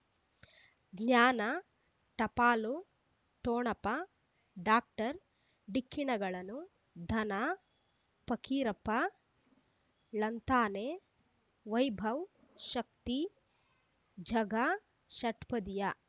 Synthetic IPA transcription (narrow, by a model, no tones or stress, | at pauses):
ɡɲaːnɐ | ʈɐpaːlu | ʈoːɳɐpɐ | ɖaːk̚ʈɐɾ | ɖikʰːiɳɐɡɐɭɐnu | d̪ʱɐna | pɐkʰiːɾɐpɐ | lɐnt̪aːneː | ʋɐjbʱɐw | ʃɐk̚t̪i | d͡ʒʱɐɡa | ʃɐʈpɐd̪ija